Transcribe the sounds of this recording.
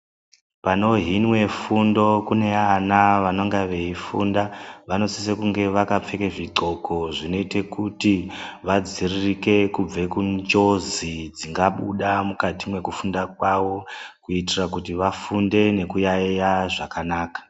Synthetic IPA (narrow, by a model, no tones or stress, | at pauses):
pano̞ɦinwe̞fundo̞kune̞anaʋano̞ŋɡaʋeifṵndaʋano̞sisekuŋɡe̞ʋakap͡fe̞keʐiǃo̞ko̞ʐino̞ite̞kutiʋad͡ziririke̞kub͡ve̞kund͡ʒo̞zid͡ziŋɡaɓuɗamukatimwe̞kufundakwawo̞kuitirak̬utiʋafunde̞ne̞kujajaʐakanaːkḁ